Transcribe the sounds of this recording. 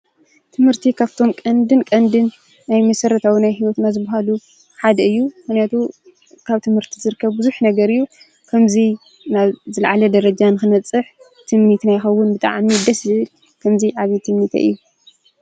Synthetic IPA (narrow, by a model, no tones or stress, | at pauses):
t̪ʰɨmhɨɾt̪ʰikʰaβt̪ʰo̞mkʼɐnd̪ɨnkʼɐnd̪ɨnː | ajmɐsɐɾɐt̪ʰawinajhiwɔt̪nazɨbɐɦalu | ħad̪ɐɨjːuxnijat̪ʰu | kʰaβt̪ʰɨmhɨɾt̪ʰizɨɾɨkʰːɐβbuzuħnɐɡɐɾɨjːu | kʰɐmzi | naβzɨlʕalɐd̪ɐɾɐd͡ʒanɨxɨnɐt͡sʼːɨħ | t̪ʰɨmnit̪najxɐwːʊnbɨt̪ʼa̰ʕmid̪ɐszɨɨl | kʰɐmziʕaβit̪ʰɨmnit̪ʰɐ̰ʔɨ̰jːu